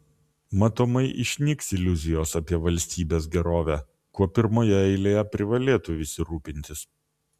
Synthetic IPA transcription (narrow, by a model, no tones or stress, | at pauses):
mɐt̪oːmɐɪʔɪ̰ʃʲnʲiksɪlʲʊzʲɪjoːsɐpʲiɛʋɐlʲsʲt̪ʲiːbʲeːsɡʲɛɾoːʋʲæ | kuɔpʲɪɾmoːjɛɛɪlʲeːjɛpʲɾʲɪʋɐlʲeːt̪ʊɪsʲɪɾuːpʲɪnʲt̪ʲɪs